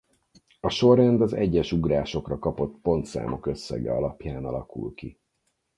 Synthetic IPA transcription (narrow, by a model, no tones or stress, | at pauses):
ɒʃo̞rɛnd̪ɒzɛ̰ɟːɛʃuɡraːʃo̞krɒkɒpo̞t̪po̞nt̪sa̰ːmo̞kø̞sːɛ̰ɡɛ̰ɒlɒpjaːnɒlɒkṵlki